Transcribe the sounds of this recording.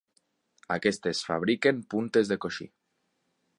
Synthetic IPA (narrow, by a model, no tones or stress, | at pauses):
akest̪e̞sfa̰β̞ɾikempunt̪e̞zðekoʃḭ